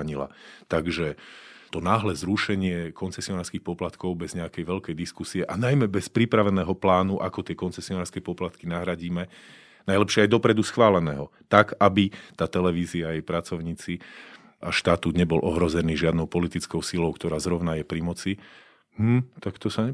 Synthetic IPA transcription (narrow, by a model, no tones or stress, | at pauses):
ɲila̰t̪aɡʒɛt̪ɔnaːɦlɛzɾuʃɛɲɪɛkɔnt͡sɛsiɔnaːɾskixpɔplat̪kɔʊbɛzɲɛakɛjʋɛʎkɛjd̪iskusiɛʔanajmɛbɛspɾipɾaʋɛnɛːɦɔplaːnuʔakɔt̪ɪɛkɔnt͡sɛsiɔnaːɾskɛpɔplat̪kinaɦɾaɟiːmɛ | najlɛpʃɪɛajd̪ɔpɾɛd̪usxʋaːlɛnɛ̰ːɦɔt̪akabit̪aːt̪ɛlɛʋiːziaːjɛjpɾat͡sɔʊɲiːt͡si | ʔaʃt̪at̪uːd̪ɲɛbɔlʔɔɦɾɔzɛniːʒɪad̪nɔʊpɔlit̪it͡skɔʊsilɔʊkt̪ɔɾaːzɾɔʊnajɛpɾimɔt͡si | mm̩t̪akt̪ɔsaɲɛ